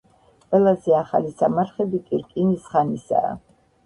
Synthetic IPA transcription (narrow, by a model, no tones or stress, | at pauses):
qʼwɛlˠazɛaχa̰lisamaɾχɛbikʼiɾkʼinisχanisa̰ː